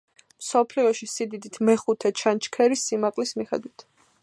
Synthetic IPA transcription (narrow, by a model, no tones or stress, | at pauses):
msɔpʰliɔʃisid̪id̪it̪ʰmɛχut̪ʰɛt͡ʃʰant͡ʃʰkʰɛɾisːimaqʼlismiχɛ̰d̪wit̪ʰ